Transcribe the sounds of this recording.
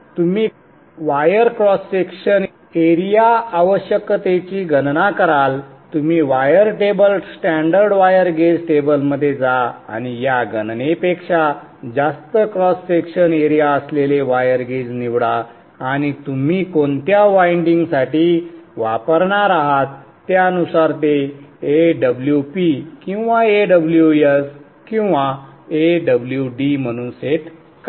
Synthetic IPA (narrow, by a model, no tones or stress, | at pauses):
t̪um̤iː | ʋajəɾkɾɔsːekʂən | eɾijaaʋəɕjəkt̪et͡ɕiːɡənnakəɾalt̪um̤iːʋajəɾʈebəlsʈæ̃ɳɖəɾɖʋajəɾɡed͡zʈebəlməd̪ʱːjed͡zaa̰ñijaɡənnepekʂa | d͡zast̪əkɾɔsːekʂəneɾijaəsleleʋajəɾɡed͡zniʋɽaː | ɽ̃it̪um̤iːkont̪jaʋaiɳɖiŋɡsaʈiːʋapəɾɳaɾaɦat̪ː | jaənusaɾt̪̬eeɖəbljupikĩw̃ʋaeɖəbljues | kĩw̃ʋaeɖəbljuɖim̤əɽ̃uːnset̪ | ka